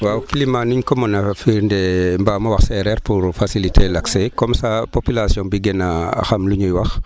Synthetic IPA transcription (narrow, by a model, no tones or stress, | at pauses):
waːwkilimanuɲkɔmɔnafiɾndɛmbaːmɐwɐxsɛɾɛɾpuɾfasilitʰelaksekɔmsapopilasjɔ̃biɡɛnaa̰xamluɲujwɐx